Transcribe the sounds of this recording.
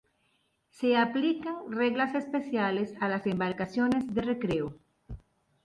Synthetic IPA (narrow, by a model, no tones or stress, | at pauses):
seaplikaŋreɣlasespesjalesalasembaɾkasjo̞ne̞zðerekɾeo